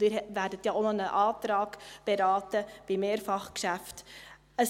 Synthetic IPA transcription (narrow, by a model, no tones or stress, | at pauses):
ɪɾvæɾdətjɑʔonənəʔɑːtɾɑːɡb̥eɾɑːtəb̥imeːɾfɑχkʃæft | ə